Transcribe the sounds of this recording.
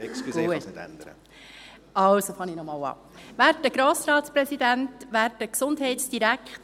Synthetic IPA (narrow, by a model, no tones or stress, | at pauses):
ɛkskɡ̥uəɛ̰ndɾə̰ | ɑwsofɑninɔmɑːwɑ̰ː | ʋæːɾdəɡ̥ɾoːsɾɑːtspɾɛsidæntʋæːɾdəksʊndhɛɪtsd̥iɾækʰχt